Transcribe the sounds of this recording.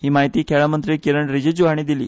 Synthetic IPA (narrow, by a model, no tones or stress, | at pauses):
hiːmaɦjt̪iːkʰɛɭamənt̪ɾiːkiɾəɳɾid͡ʑed͡ʑuɦaɳ̃iːd̪ilḭː